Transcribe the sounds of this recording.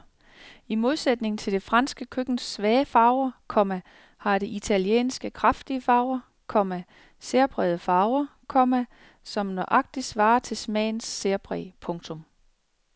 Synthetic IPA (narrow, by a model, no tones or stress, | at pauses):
imo̝ð̞ˠsed̥ne̝ŋn̩t͡sʰe̝ld̥e̝fʁɑ̈nsɡ̥əkʰøɡ̥n̩sʋɛːfɑ̈ʊɐkʰɒ̽mæ | hɑ̈ɾ̥e̝ʔit͡sʰæljḛːnsɡ̥əkʰʁɑfd̥iəfɑ̈ʊɐ | kʰɒ̽mæ | se̝ɐb̥ʁɛð̩ˠəfɑ̈ʊɐkʰɒ̽mæ | sɒ̽mnɒʔɑ̈ɡ̥̚d̥i̥sʋɑ̈ːɐt͡sʰe̝smɛ̰ːnsːe̝ɐb̥ʁɛ̰ːpʰɔ̽ŋt͡sʰɔ̽m